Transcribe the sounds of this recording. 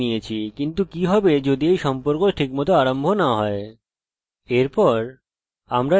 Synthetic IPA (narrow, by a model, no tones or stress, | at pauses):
iet͡ɕʰikint̪ukiɦɔbed͡ʑod̪iejʃɔmpoɾkoʈʰikmɔt̪̬oaɾambʱonaɦɔe | eɾpɔɾ | amɾa